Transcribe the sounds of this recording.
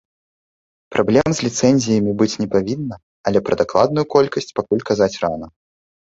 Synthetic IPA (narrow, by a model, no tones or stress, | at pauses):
pɾʔablʲɛmzʲlʲit̪sɛnʲzʲijɐmʲibɨt͡sʲnʲɛpavʲinːɐ | ɐlʲɛpɾɐd̪aklˠad̪̚nujukɔlʲkɐsʲt͡sʲpakulʲkazat͡sʲranɐ